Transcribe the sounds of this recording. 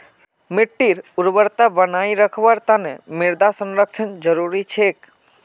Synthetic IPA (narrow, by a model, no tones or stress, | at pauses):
mɪʈːiɾuɾbəɾt̪abənaiɾəkʰʋəɾt̪anemɪɾd̪asənɾəkt͡ʃʰənd͡ʒəɾuɾit͡ʃʰek